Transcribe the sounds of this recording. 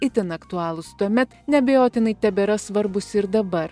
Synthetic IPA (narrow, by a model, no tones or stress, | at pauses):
ɪt̪ʲɪnɐkt̪ʊɑːlˠʊst̪uɔmʲɛt̪nʲɛbʲɛjoːt̪ʲɪnɐɪt̪ʲɛbʲɛɾɐsʋɐɾbʊsɪɾd̪ɐbɐɾ